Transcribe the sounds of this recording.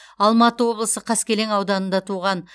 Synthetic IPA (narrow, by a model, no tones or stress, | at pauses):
ɑlˠmɑt̪əwo̞blˠəsəqʰɑskʲe̞le̞ŋɑwd̪ɑnənd̪ɑt̪ʰuʁɑn